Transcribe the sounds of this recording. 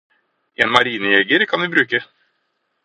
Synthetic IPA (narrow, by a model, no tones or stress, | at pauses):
ʔeːnmɑɾiːnəjɛɡəɾkʰɑnʋɪbɾʉːkə